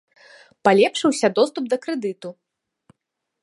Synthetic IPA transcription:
palʲɛpʂɨwsʲɐd̪ɔst̪up̚d̪ɐkɾɛd̪ɨt̪u

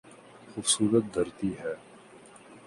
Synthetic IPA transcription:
xʊfsuːɾət̪̚d̪ɐɾt̪iːɦɛː

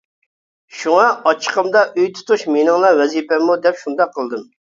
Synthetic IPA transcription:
ʃuŋɑɑt͡ʃʰə̥qəmd̪ɑʔøjt̪ʰu̥t̪ʰuʃmenɨŋlˠɑwɛzipɛmud̪ɛpʃund̪ɑqʰːəlˠd̪ɨm

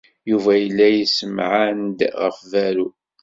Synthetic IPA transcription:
juvæjəlːæjəsəmʕand̪ʁəfvæɾu

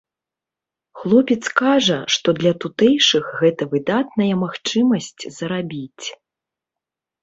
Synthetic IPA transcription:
xlˠɔpʲɛt̪skaʐɐʂt̪ɔd̪lʲɐt̪ut̪ɛjʂɨxɣɛt̪ɐvɨd̪at̪nɐjɐmaxt͡ʂɨmɐsʲt͡sʲzɐɾabʲit͡sʲ

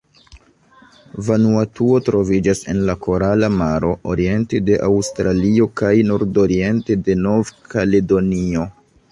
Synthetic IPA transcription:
vanuatuo̞tɾo̞vid͡ʒase̞̰nlakʰo̞ɾalamaɾo̞ʔoɾie̞nte̞de̞ʔawstɾalio̞kajnoɾdo̞ɾie̞nte̞de̞no̞vkale̞do̞nio̞

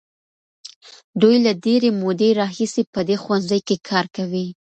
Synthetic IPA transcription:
d̪ujlaɖeɾemod̪eɾɑɦisepəd̪exwanzəjkekʰɑɾkawi

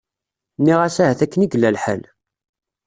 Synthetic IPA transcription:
nːiʁæsæɦæθækːəniɡəlːælħə̰l

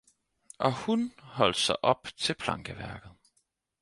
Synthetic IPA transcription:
ʔɒ̽hunhɒ̽l̰d̥sɑ̈ɪʔɒ̽b̥t͡sʰe̝lpʰlɑ̈ŋɡ̥əʋæɐɡ̥ð̞̩ˠ

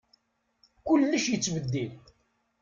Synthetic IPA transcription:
kʊlːəʃjət͡sːvəd̪ːil

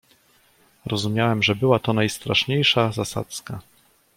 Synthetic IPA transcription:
ɾɔzumʲjawɛmʐɛbɘwat̪ɔnajst̪ɾaʂɲejʂazasa̰t̪ska

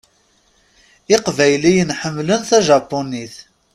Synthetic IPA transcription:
ɪqvæjlijənħəmːlənθæʒɑpːoniθ

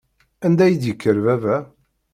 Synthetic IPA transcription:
ænd̪æjəd̪jəkːəɾvævæ

